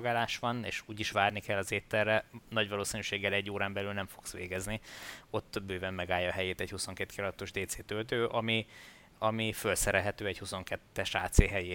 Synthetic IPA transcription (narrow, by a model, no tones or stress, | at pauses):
ɡaːlaːʃʋɒnḛːʃuːɟiʃʋaːrnikɛlːɒzeːt̪ɛrːɛnɒɟʋɒloːsinyːʃeːɡːɛlɛɟːoːɾaːmbɛlylnɛɱfo̞ksʋḛːɡɛznio̞t̪ːbøːvɛmːɛɡaːjːɒːɦɛjeːt̪ɛchuso̞ŋkeːt̪kilɒd̪t̪ːoʒd̪eːt̪seːt̪ølt̪øːʔɒmi | ɒmifølsɛɾɛlɦɛt̪øːɛchuso̞ŋkɛt̪ːɛʃaːt̪seːɦɛje